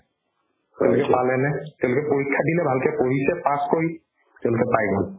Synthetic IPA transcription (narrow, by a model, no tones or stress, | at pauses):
tɛʊ̃lokɛpalɛnɛtɛʊ̃lokɛpoɹikʰːadilɛbʱalkɛpoɦisɛpaskoɹi | tɛʊ̃lokɛpajɡɔl